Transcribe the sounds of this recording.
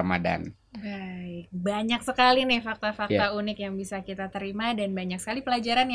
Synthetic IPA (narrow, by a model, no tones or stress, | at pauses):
ma̰da̰n | baɪk̚baɲaksəkalinɪfak̚t̪afakt̪aunɪkjaŋbisakit̪at̪əɾimadanbaɲak̚sə̥kalipəlad͡ʒaɾanj